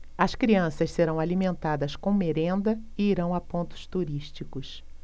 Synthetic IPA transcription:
ɐskɾiɐ̃sɐsseɾɐ̃w̃alimẽnt̪ad̪ɐskõw̃meɾẽnd̪ɐ | ɪiɾɐ̃w̃apõnt̪ʊ̥st̪uɾiʃt͡ʃikʊs

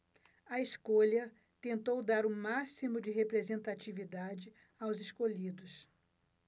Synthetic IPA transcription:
ɐeskoʎɐ | t̪ẽnt̪owd̪aɾʊmasimʊd͡ʒɪɦepɾezẽnt̪at͡ʃivid̪ad͡ʒɪ | awzɪskoʎid̪ʊs

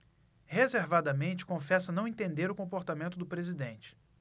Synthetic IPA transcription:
hezeɾvad̪ɐmẽnt͡ʃɪ̥kõfɛsɐnɐ̃w̃ẽt̪ẽnd̪eɾʊkõmpoɾt̪amẽnt̪ʊd̪ʊpɾezid̪ẽnt͡ʃɪ̥

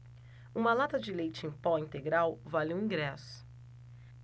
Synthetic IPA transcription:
ũmɐlat̪ɐd͡ʒɪlejt͡ʃɪẽj̃pɔĩnt̪eɡɾawvalɪũĩɡɾɛsʊ̥

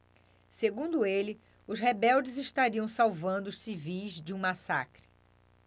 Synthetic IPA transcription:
seɡũnd̪ʊelɪ | ʊzhebɛwd͡ʒɪzɪʃt̪aɾiɐ̃w̃sawvɐ̃nd̪ʊːʃsivijzd͡ʒɪũmasa̰kɾɪ̥

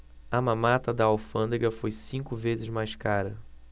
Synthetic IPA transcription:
ɐmãmat̪ɐd̪ɐawfɐ̃nd̪eɡɐfojsĩŋkʊvezɪzmajskaɾɐ

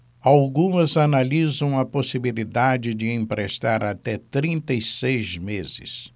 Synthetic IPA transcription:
awɡũmɐzanalizɐ̃w̃ɐposibilid̪ad͡ʒɪd͡ʒɪẽpɾest̪aɾat̪ɛt̪ɾĩnt̪ejsejzmezɪ̰s

